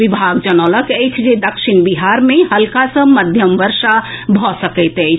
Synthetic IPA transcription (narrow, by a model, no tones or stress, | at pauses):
ʋibʱaɡd͡ʒənələkɛjt͡ʃʰd͡ʒed̪əkʃiɳbiɦaɾmẽɦəlkasə̃məd̪ʱjəmʋəɾʃabʱɔsəkɛɪt̪ɛjt͡ʃʰ